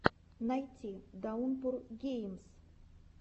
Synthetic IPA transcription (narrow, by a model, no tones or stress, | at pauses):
najt̪ʲid̪aunpurɡʲejms